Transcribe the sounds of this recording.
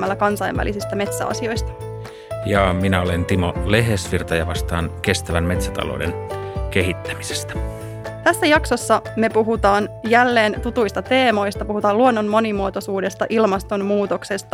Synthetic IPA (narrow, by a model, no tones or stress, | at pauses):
mælːækɑnsɑjʋʋæ̰lisist̪æme̞t̪sæ̰ɑ̰sio̞jst̪ɑ̥ | jɑminæolent̪imo̰le̞ɦesʋirt̪ɑjɑʋɑst̪ɑːnke̞st̪æʋænme̞t̪sæt̪ɑ̰lo̰ːdḛnke̞ɦit̪ːæ̥mise̥st̪æ̥ | t̪æsːæjɑkso̞sːɑme̞puɦut̪ɑːnjælːe̞ːnt̪ut̪ujst̪ɑt̪e̞ːmo̞jst̪ɑpuhut̪ɑːluonːonmo̞nimuot̪osuːde̞st̪ɑʔilmɑst̪o̞nmuːt̪o̞kse̞st̪ɑ